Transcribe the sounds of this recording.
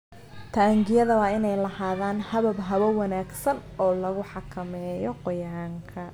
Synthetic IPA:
t̪ʰaːŋɡɪjɐðɐwɑːɪnɛjlɐhaːðaːnhɐβɐbɦɐβɐwɑnaːɡsɐnɔːlɐɣʊħɑkʰɐmɛːjɔqɔjaːŋkʰɐ

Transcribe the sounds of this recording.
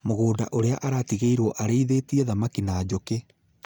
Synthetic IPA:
moɣoːda̰ʔoɾeaʔaɾatiɣeiɾwɔʔaɾeiðetiɛðamakinad͡ʑoke

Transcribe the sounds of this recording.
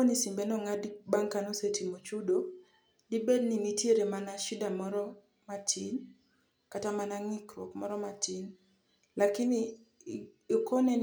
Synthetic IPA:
onisimbɛnɔŋadbaŋkanosetimot͡ʃudo | dibedninitjeɾemanaʃidamɔɾɔ | matin | katamanaŋikɾɔkmɔɾɔmatin | lakɪn | okonɛn

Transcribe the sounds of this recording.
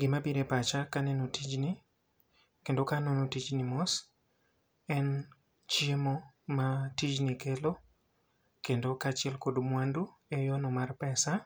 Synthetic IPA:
ɡɪmabiɾepat͡ʃakanenotid͡ʒnɪ | kendokanonotid͡ʒnimos | ɛn | t͡ʃiemomatid͡ʒnikelo | kendokat͡ʃɪɛlkodmwandu | ejɔnɔmarpɛsa

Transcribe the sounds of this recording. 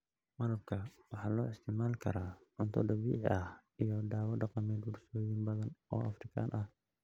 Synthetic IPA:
mɐɾɐb̚kʰɐwɑħɑːlɔːɪst̪ʰɪmaːlkʰɐ̰ɾaːʕʊnt̪ʰɔ̰d̪ɐbḭːʕɪ̰ʔɐhijɔd̪aːwɔɖɑqɑmɛːd̪wʊrsoːjɪmbɐðɐnɔ̰ːɐfɾɪkʰa̰ːnʔɐh

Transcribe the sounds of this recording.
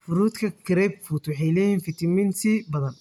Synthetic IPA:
fʊɾuːt̪kʰɐkʰɾɛbfut̪wɑħɑjlɛjiːnfɪt̪ʰɪmɪnsʰiːbɐðɐn

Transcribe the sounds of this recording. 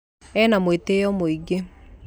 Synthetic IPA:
ɛːnamwetejɔmoiɡe

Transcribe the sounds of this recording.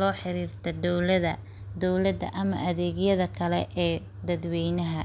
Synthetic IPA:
lɔːħɪɾiːrt̪ʰɐd̪ɔwlɐðɐ | d̪ɔwlɐd̪ɐ̰ʔɐmɐʔɐðɛːɣjɐðɐkʰɐlɛʔɛː | d̪ɐd̪wɛjnɐɦɐ

